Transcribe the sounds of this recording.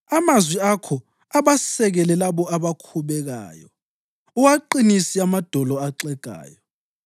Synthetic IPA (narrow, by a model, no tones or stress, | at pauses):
amazwiakʰɔ | aβasɛɣɛlɛlaβɔaβakʰuβɛɣa̰ːjɔ | uwaǃinisiamad̥ʱɔlɔaǃɛɡ̥ʱa̰ːjɔ